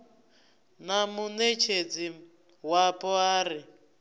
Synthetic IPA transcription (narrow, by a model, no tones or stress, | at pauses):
namunet͡ʃʰed͡zi | wapʼɔaːɾi